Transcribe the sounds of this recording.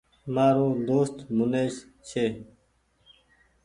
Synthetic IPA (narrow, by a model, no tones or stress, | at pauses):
maːɾõːd̪oːst̪muneːst͡ɕʰeː